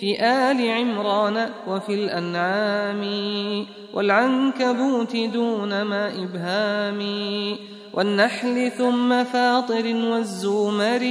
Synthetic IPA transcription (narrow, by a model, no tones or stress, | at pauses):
fiːʔaːlɪʕɪmɾˤɑːnawafilʔanʕaːmɪ | wʔa̰lʕankabuːt̪ɪd̪uːnamaːʔɪbhaːmɪ | wʔanːaħlɪθʊmːafɑːt̪ˤɨɾɪwazːuːmaɾɪ